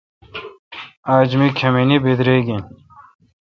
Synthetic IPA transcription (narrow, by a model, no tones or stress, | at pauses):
aːd͡ʑmikʰɐminibed̪ɾeɡĩ